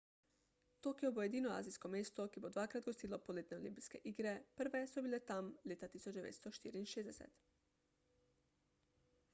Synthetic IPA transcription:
t̪oːkijɔbojed̪iːnɔa̰ːzijskɔmeːst̪ɔkibod̪ʋakɾad̪ɡost̪iːlɔpɔleːt̪nɛɔlimpiskɛ̰ʔiːɡɾɛpəɾʋɛsɔbilɛt̪amleːt̪at̪isɔd͡ʒd̪ɛʋḛːt̪st̪ɔʃt̪ḭːɾiːnʃeːzd̪ɛsɛ̰t̪

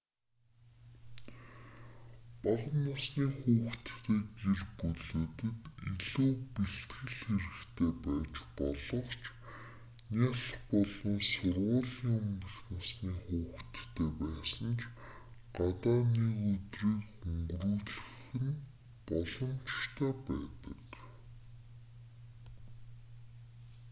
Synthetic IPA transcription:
paʁə̆nːasniːxuːxt̪ːeːkerpɵɮoːt̪ɘ̆kiɮuːpiɬt̪ɡɘ̆ɮxeɾɘ̆kt̪ʰeːpæːt͡ɕpɔɮɞ̆χt͡ɕʰ | naːɮə̆χpɔɮɞ̆nsʊrʁʊːɮiːŋɵmɡə̆xnasniːχuːkt̪ːʰeːpæːsə̆nt͡ɕ | ɢat̪aːniːɣɵt̪riːkɵŋɡruːɮɵ̆xɘ̆n | pɔɮɞ̆mt͡ɕt̪ʰæːpæːt̪ə̥̆k

